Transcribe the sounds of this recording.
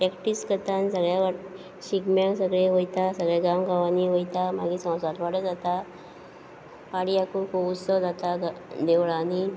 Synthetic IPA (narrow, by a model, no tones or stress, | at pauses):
pɾɛkʈiskət̪ãnsəɡɭjaʋaʈ | ɕikmãksəɡɭeɦojt̪asəɡɭaɡamɡaʋaniɦojt̪ama̰ɡiːsɔ̃w̃sat̪ʋaɽəd͡zat̪a | paɽiakukousəwd͡zat̪aɡd̪eʋɭani